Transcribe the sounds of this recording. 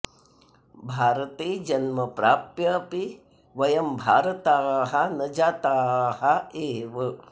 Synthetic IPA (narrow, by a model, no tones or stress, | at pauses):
bʱaːɾɐt̪iːd͡ʒɐnmɐpɾaːpjɐpi | ʋɐjɐmbʱaːɾɐt̪aːɦanɐd͡ʒaːt̪aːɦaeːʋɐ